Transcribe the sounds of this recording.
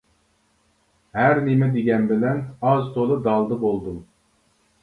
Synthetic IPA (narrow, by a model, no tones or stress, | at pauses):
hæɾnimɛd̪eɡʲɛnbɪlɛnɑzt̪ʰolˠɨd̪ɑlˠd̪əbolˠd̪um